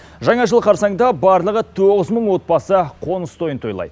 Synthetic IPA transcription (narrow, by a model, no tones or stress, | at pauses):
ʒɑɴɑʒəlˠqʰɑɾsɑɴd̪ɑbɑɾlˠəʁət̪ʰoʁəzməɴwo̞t̪̚bɑsəqʰo̞nəst̪ʰo̞jənt̪ʰo̞jlˠɑ̰jd̪ə